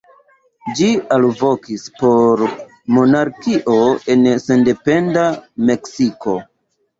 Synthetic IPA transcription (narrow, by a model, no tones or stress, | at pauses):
d͡ʒialvo̞kispo̞ɾ | mo̞naɾkiʔo̞e̞nse̞nde̞pe̞ndame̞ksiko̞